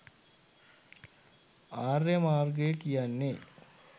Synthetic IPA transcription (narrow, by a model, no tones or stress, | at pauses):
aːrjəmaːrɡəjəkijanːe